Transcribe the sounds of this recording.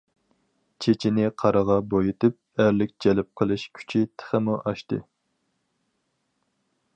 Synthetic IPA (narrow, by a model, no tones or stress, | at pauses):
t͡ʃʰet͡ʃʰinɪqʰɑɾəʁɑbojit̪ʰɪp̚æɾlɪk̚ʲd͡ʒɛlɪp̚qʰəlˠɨʃkʲʰy̥t͡ʃʰit̪ʰə̥χɪmuʔɑʃt̪ɨ̰